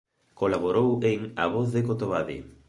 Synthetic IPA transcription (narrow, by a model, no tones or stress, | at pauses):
kolaβoɾoweŋa̰βoθðekot̪oβaðḭ